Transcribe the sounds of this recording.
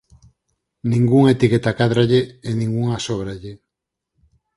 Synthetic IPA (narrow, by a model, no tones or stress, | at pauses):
nĩŋɡuŋet̪iket̪akaðɾaʎeːnĩŋɡuŋasoβ̞ɾaʎe